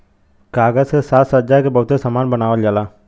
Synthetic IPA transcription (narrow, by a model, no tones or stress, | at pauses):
kaːɡəzsesaːt̪səd͡ʒakebəɦʊt̪esəmaːnbənaːʋəld͡ʒalaː